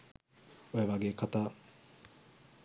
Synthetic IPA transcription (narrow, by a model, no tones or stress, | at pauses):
ojaʋaɡeːkʰat̪aː